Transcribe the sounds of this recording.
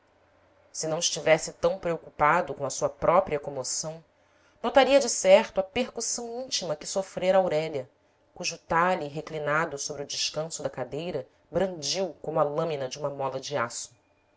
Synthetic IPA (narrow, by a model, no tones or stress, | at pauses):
sɪnɐ̃w̃ɪʃt͡ʃivɛsɪt̪ɐ̃w̃pɾeokupad̪ʊkõɐsuɐpɾʔɔpɾiɐkõmosɐ̃w̃ | not̪aɾiɐd͡ʒɪsɛɾt̪ʊɐpeɾkusɐ̃w̃ĩnt͡ʃimɐkɪ̥sofɾeɾɐawɾɛʎɐ | kuʒʊːt̪aʎiɦeklinad̪ʊsobɾiʊd͡ʒɪʃkɐ̃sʊd̪ɐkad̪ejɾɐ | bɾɐ̃nd͡ʒiwkõmʊɐlɐ̃minɐd͡ʒɪũmɐmɔlɐd͡ʒiasʊ̥